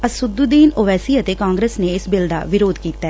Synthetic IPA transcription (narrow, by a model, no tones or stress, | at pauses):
ɐsʊd̪ud̪iːnoʋɛːsiət̪ekãːŋɡɾeːsneɪsbɪld̪a̰ʋɪɾoːd̪kiːt̪aɛː